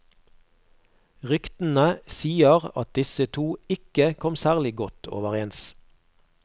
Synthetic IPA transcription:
ʁʏkt̪n̩əsiːəʁɑ̰t̪̚d̪ɪsət̪ʰuːɪkəkʰɔmsæːʁlɪɡɔt̪ʰo̰ːʋəʁeːns

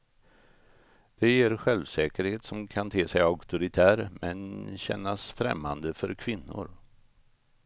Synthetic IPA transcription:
d̪̥ɛjeːɾɧɛlvsɛːkəɾheːt̪sɔmkʰant̪ʰeːsɛjakt̪ʊɾɪt̪ʰæːɾmɛnɕɛ̰nːasfɾɛ̰mːand̪əfœɾkʰvɪnːʊ̰ɾ

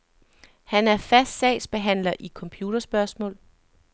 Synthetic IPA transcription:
hænæɐfæsd̥sɛ̰ɪsb̥e̝ɦæn̰lɐʔikʰɒ̽mpʰjuːd̥ɐsb̥ɶɐsmɔ̰̽ːl

